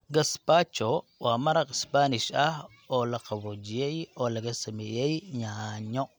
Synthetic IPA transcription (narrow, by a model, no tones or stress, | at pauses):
ɡɐsbaːt͡ʃɔwaːmɐɾɐqɪsbaːnɪʃɐh | ɔːlɐqɑβɔːd͡ʒɪjɛjɔːlɐɣɐsɐmɛːjɛjɲaɲɔ